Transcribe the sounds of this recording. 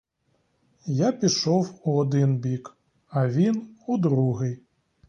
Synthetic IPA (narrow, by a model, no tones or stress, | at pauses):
japʲiʂɔwuad̪ɨnbʲik | avʲinud̪ɾuɣɨj